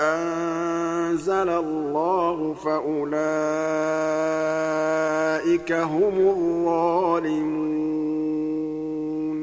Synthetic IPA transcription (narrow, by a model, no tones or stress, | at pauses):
ʔan | zalalːaːɦʊfaʔʊlaː | ʔɪkaɦʊmʊðːɑːlɪmu | n